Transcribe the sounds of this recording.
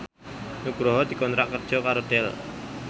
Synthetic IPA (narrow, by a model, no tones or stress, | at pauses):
nuɡɾɔɦɔd̪̥i̤kɔnt̪ɾaʔkərd̥ʒ̥ɔ̤kaɾod̪ɛl